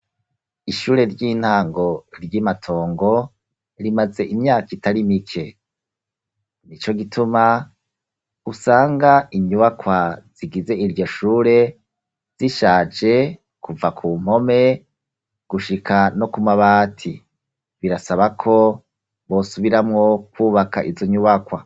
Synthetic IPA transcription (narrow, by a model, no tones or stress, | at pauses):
iʃuːɾe̞ɾɟiːn̥haːŋɡo̞ɾjimatʰo̞ːŋɡo̞ | ɾimaze̞ʔimɲaːkitaɾimikʰe̞ | nit͡ʃo̞ɡitʰuma | usaːŋɡaiɲuβakwaz̥iɡize̞iɾjo̞ʃuːɾe̞ | z̥iʃaːd͡ʒe̞ | kuvakʰuːm̥ho̞me̞ | ɡ̥uʃikʰano̞kumaβaːtʰi | βiɾasaβakʰo̞ | βo̞suβiɾamŋo̞kwuːβaka̰ʔizo̞ɲuβakwa